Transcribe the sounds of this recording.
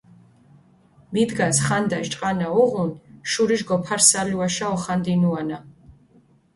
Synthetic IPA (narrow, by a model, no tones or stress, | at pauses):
mid̪ɡasχand̪aʃt͡ʃʼqʼanauʁunʃuɾiʒɡɔpʰaɾsaliwaʃaɔχand̪inuana